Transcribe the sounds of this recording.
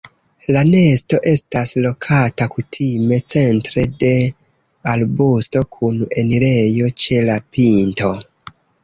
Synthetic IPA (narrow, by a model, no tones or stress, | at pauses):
lane̞sto̞ʔe̞staslo̞kʰatakutʰime̞t͡se̞ntɾe̞de̞ | albusto̞kʰune̞niɾe̞jo̞t͡ʃe̞lapʰinto̞